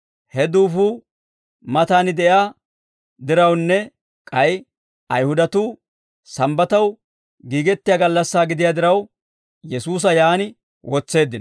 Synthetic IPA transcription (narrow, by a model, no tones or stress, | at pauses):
hɛd̪uːfuː | mɐt̪aːnɪd̪ɛjaː | d̪ɪɾɐwnːɛ | kʼɐj | ʔɐjhʊd̪ɐt̪uː | sɐmbɐt̪ɐw | ɡiːɡɛt̪ːɪjaːɡɐlːɐsːaːɡɪd̪ɪjaːd̪ɪɾɐw | jɛsuːs̬ɐjaːnɪ | wɔt͡sːe̞ːd̪ːɪn